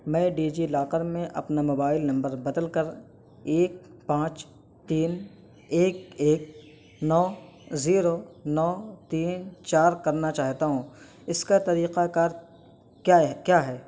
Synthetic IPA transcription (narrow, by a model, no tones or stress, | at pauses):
mɛ̃ːɖiːd͡ʒilaːqəɾmẽʔɐ̰pnamoːbaːɪlnɐ̃mbəɾbɐd̪əlkɐɾ | eːk̚pãːt͡ʃ | t̪iːn | eːk̚eːk̚ | nɔː | ziːɾonɔːt̪iːnt͡ʃaːɾkɐɾnat͡ʃaːɦt̪aɦũ | ɪskat̪ɐɾiːqakaːɾ | kjaːkjaːɦɛː